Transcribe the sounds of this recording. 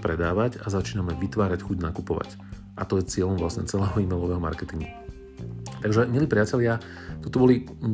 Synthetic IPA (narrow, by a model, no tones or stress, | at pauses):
pɾɛd̪aːʋacazat͡ʃiːnamɛʋit̪ʋaːɾacxuɟnakupɔʋa̰c | ʔat̪ɔjɛt͡sɪɛʎɔmʋlasɲɛ̰t͡sɛlɛːɦɔimɛjlɔʋɛːɦɔma̰ɾkɛt̪iŋɡu | t̪aɡʒɛɲɪɛlipɾɪacɛlɪa | t̪ɔt̪ɔbɔli